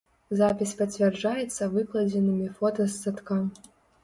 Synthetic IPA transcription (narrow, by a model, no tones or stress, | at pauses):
zapʲisʲpɐt͡sʲvʲɛrd͡ʐajɛt̪sːɐvɨklˠɐd͡zʲɛnɨmʲifɔt̪ɐsat̪kam